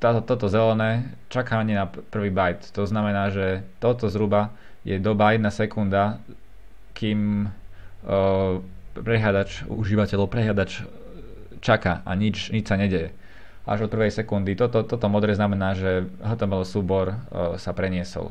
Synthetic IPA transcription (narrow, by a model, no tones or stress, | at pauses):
t̪at̪ɔt̪ɔzɛlɛnɛː | t͡ʃakaːɲɛnapr̩ʋiːbajt̪t̪ɔznamɛnaːʒɛt̪ɔt̪ɔzɾuba | jɛd̪ɔbajɛd̪̚nasɛkund̪a | kiːm | pɾɛɦlad̪at͡ʃuʒiːʋacɛlɔʊpɾɛɦljad̪at͡ʃ | t͡ʃaka̰ʔa̰ɲit͡ʃɲit͡ʃsaɲɛɟɛjɛ | ʔa̰ʒɔt̪̚pr̩ʋɛjsɛkund̪it̪ɔt̪ɔt̪ɔt̪ɔmɔd̪ɾɛːznamɛnaːʒɛɦɔt̪ɔmalsuːbɔɾsapɾɛɲɪɛsɔ̰l